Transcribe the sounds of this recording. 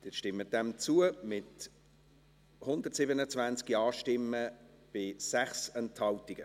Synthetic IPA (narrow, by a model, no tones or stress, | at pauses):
d̥ɪʃtɪmːəd̥ɛmt͡suəmɪt | hʊnd̪ərtsɪbənət͡svænt͡skiɑːʃtɪmːə | b̥ɪsæχsɛnthɑltiɡ̥ə